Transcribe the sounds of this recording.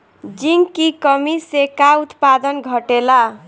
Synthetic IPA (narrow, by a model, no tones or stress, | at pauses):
d͡ʒiŋkikʌmisekaut̪pad̪ʌnɡʱʌʈela